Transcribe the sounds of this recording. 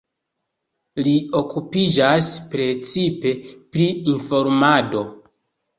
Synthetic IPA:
lio̞kupid͡ʒaspɾe̞t͡sipe̞pɾiinfo̞ɾmado̞

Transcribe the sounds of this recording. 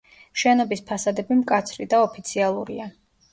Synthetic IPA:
ʃɛnɔbispʰasad̪ɛbimkʼat̪sʰɾid̪aɔpʰit̪sʰialˠuɾḭa

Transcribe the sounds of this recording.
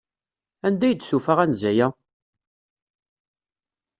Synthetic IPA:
ænd̪æjəd̪θufaʁænzæjæ

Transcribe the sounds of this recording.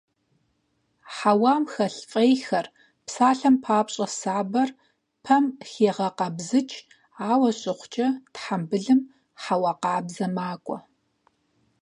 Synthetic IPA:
ħawaːmxɐɬfʼejxɐr | psaːɬɐmpʰaːpɕʼɐsaːbɐr | pʰɐmxeːʁɐqɐbzɨt͡ʃʼ | aːwɐɕʼɪχʷʊt͡ʃʼɐtħambɨɮɨm | ħawɑːqɑːbzɐmaːkʷʼɔ̰

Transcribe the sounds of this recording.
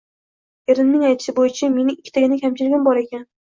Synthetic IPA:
eɾɪnːɪŋajt̪ʰɪ̥ʃɪbojɪt͡ʃʰame̞nɪɪkʲʰːɪ̥t̪aɡʲɪnɪkʲʰamt͡ʃʰɪɾɡʲɪmbɒɾe̞kʲan

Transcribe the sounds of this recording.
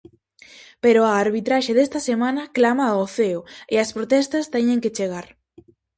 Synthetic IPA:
peɾoaːɾβit̪ɾaʃeðest̪ɐsemãnɐklamaoθeʊɪɐspɾot̪ɛst̪ɐst̪ɛɲeŋkɪt͡ʃeɣaɾ

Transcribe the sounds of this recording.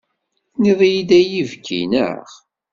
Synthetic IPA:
niðˤjid̪æjivɡḭnə̰ʁ

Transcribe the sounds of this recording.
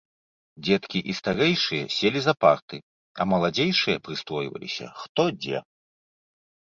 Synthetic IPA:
d͡zʲɛt̪kʲiʔist̪aɾɛjʂɨjɐsʲelʲizɐpart̪ɨ | ɐmɐlˠad͡zʲejʂɨjɐpɾɨst̪ɔjvɐ̰lʲḭsʲɐ̰xt̪ɔd͡zʲɛ̰

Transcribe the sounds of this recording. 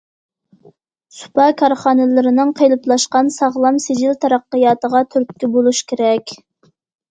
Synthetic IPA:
su̥pʰɑkʰɑɾχɑːnɨlɪɾɪnɨŋqʰejlˠɨplˠɑʃqɑnsɑʁlˠɑmsed͡ʒɪlt̪ʰɑɾɑqːəjɑːt̪əʁɑt̪ʰyɾp̪̚kʲybolˠuʃkʲeɾɛkʲ

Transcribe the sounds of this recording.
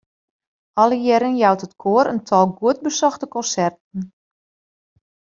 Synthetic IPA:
ɔlˠəjɛɾənjawtətkʰoəɾəntʰɔlˠɡuət̚bəsɔxtəkɔnsɛrtən̩

